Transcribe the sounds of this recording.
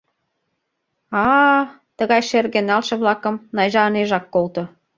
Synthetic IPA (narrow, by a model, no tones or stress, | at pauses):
ɑ | t̪əɣɑjʃerɣenɑlʃɤ̆βlɑkɤ̆mnɑjʒɑːneʒɑkːolt̪ŏ